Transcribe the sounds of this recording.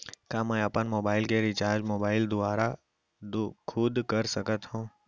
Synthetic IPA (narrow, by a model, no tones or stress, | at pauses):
kãmɛ̃əpənmoːbaːɪlkeɾɪt͡ʃaːɾd͡ʒmoːbaːɪld̪ʊaːɾa | d̪kʰʊd̪kəɾsəkət̪ɦũː